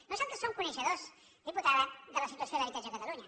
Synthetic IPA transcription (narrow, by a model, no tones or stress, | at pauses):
nosant̪əsoŋkunəʃəðos | ðiput̪aðad̪ələsit̪uəsioðəβit̪ad͡ʒəkət̪ɐluɲɐ